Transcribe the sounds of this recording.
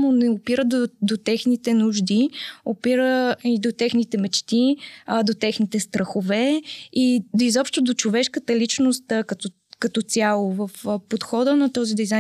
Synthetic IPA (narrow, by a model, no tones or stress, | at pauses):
monɛopiɾəd̪od̪ot̪ɛxnit̪ɛnuʒd̪iopiɾəid̪ot̪ɛxnit̪ɛmɛt͡ʃt̪id̪ot̪ɛxnit̪ɛst̪ɾʔəxovɛiizɔpʃt̪ʊd̪ot͡ʃovɛʃkət̪əlit͡ʃnost̪kət̪ | kɐt̪ɔt̪sʲalˠovəfpot̪xɔd̪ənɐt̪ɔzid̪ɛjza